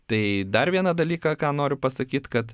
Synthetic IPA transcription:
t̪ɐɪd̪ɐrʋʲiɛnɐd̪ɐlʲiːkɐkɑːnoːɾʲʊpɐsɐkʲiːt̪kɐt̪

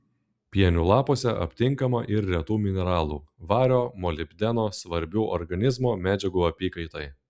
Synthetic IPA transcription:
pʲiɛnʲuːlˠɑːpoːsʲɛʔɐ̰pʲt̪ʲɪŋkɐmɐʔɪɾɾʲɛt̪uːmʲɪnʲɛɾɑːlˠuːʋɑːɾʲoːmɔlʲɪbʲd̪ʲɛnoːsʋɐɾʲbʲuːʔɔ̰ɾɡɐnʲɪzmoːmʲæːd͡ʒʲɛɡuːɐpʲiːkɐɪt̪ɐj

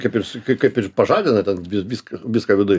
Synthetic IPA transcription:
kɐɪpɪrskɐɪkɐɪpɪrpɐʒɑːd̪ʲɪnɐt̪ʲɛnʋʲɪʋʲiːskɐʋʲɪskɐːʋʲɪd̪ʊj

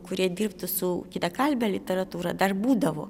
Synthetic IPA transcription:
kʊɾʲiɛd̪ʲirpt̪ʊsʊkʲɪt̪ɐkɐlʲbʲɛlʲɪt̪ʲɛɾɐt̪uːɾɐd̪ɐrbuːd̪ɐʋo̰ː

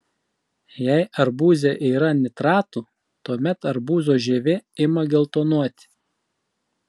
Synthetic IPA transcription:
jɛɪʔɐɾbuːzʲeʔiːɾɐnʲɪt̪ɾɑːt̪uː | t̪uɔmʲɛt̪ɐɾbuːzoːʒʲeːʋʲɪɪmɐɡʲɪlˠt̪oːnuɔt̪ʲɪ̥

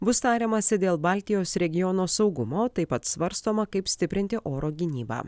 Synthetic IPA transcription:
bʊst̪ɑːɾʲeːmɐsʲɪd̪ʲeːlˠbɑːlʲt̪ʲɪjoːsɾʲɛɡʲɪjɔnoːsɒʊɡʊmoːt̪ɐɪpɐt̪sʋɐɾst̪oːmɐkɐɪpsʲt̪ʲɪpʲɾʲɪnʲt̪ʲɪʔoːɾoːɡʲɪnʲiːbɑ̰ː

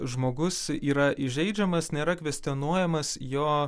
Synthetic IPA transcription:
ʒmoːɡʊsiːɾɐʔɪʒʲɛɪd͡ʒʲɛmɐsnʲeːɾɐkʋʲɛsʲt̪ʲɛnuɔjɛmɐsjoː

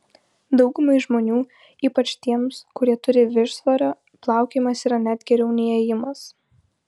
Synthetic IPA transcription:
d̪ɒʊɡʊmɐɪʒmoːnʲuː | iːpɐt͡ʃʲt̪ʲiɛmskʊɾʲiɛt̪ʊɾʲɪʋʲɪʃsʋɐɾʲoː | plˠɑˑʊkʲemɐsiːɾɐnʲæːd̪ʲɡʲɛɾʲɛʊnʲiɛjɪmɐs

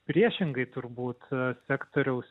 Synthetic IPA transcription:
pʲɾʲiɛʃʲɪŋɡɐɪt̪ʊrbuːt̪sʲæːkt̪oːɾʲɛʊs

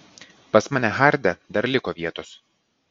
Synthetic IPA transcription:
pɐsmɑːnʲæɦɑɾʲd̪ʲɛd̪ɐɾlʲɪkoːʋʲiɛt̪oːs

